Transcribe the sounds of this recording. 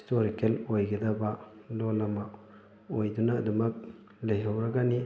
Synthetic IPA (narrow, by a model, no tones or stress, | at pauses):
stoɾikelojɡedɐbalolɐma | ojdunɐːdumɐk̚ | lɐjɦɐwɾɐɡɐni